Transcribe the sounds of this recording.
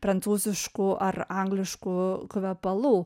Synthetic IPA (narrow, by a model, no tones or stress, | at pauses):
pɾɐnt̪suːzʲɪʃkʊʔɐrɐŋɡlʲɪʃkukʊʋʲɛpɐlˠuː